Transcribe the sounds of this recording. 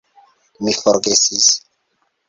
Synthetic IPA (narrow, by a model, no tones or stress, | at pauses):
mifɔɾɡesis